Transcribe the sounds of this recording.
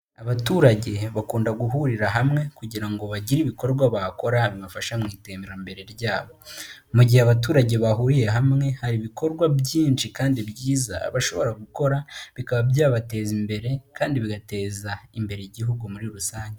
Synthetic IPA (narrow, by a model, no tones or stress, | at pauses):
aβatuːɾaɟe̞βakuːndaɡuɦuɾiɾaɦamŋe̞kuɟiɾaŋɡo̞βaɟiɾiβiko̞ɾɡwaβako̞ɾaβimafaʃamŋiːteːmeɾambe̞ɾe̞ɾɟaːβo̞muɟiheaβatuːɾaɟe̞βaɦuɾije̞ɦamŋe̞haɾiβikʰo̞ɾɡwabɟiːnʃikaːndibjiːza̰ːβaʃo̞̰βo̞ɾaɡuko̞ɾaβikaβabjaːβate̞ːzimbe̞ɾe̞kaːndiβiɡate̞ːzaimbe̞ɾejiɟiɦuɡumuɾiɾusaːɲɟe